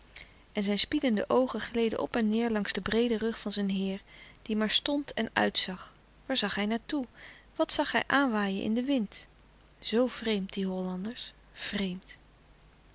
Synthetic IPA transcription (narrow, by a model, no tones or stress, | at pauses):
ʔɛnzɛjnspidəndə̰ʔowχənχlejdə̰ʔɔ̰pɛnːɪːɹlɑŋzdəbrejdərɵχfɑnzɛjnɦɪːɹd̥imaːɹstɔntɛnœ̰ɥtsɑχ | ʋaːɹzɑχɦɛjnaːtuʋɑtsɑχɦɛ̰jʔaːnʋaːjə̰nʔɪ̰ndəʋɪnt | z̥owv̥rejmt̚diɦɔlɑndəɹs | v̥rejmt